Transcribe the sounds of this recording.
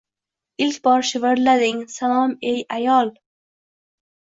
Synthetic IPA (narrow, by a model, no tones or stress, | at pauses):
ɪlkʲbɒɾʃɪvəɾlad̪ɪŋsalɒmejʔajɒlˠ